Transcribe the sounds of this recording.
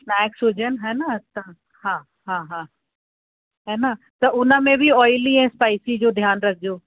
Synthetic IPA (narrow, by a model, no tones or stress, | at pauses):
naːksɦʊd͡ʑənɦɛːnət̪ɐ̃ | hãː | ɦãːɦãː | ɦɛːna | t̪ɐʔʊnə̆mẽbɪɔːɪliɛ̃ːspaːɪsid͡ʑoːd̪ʱjaːnɾɐkʰɪd͡ʑoː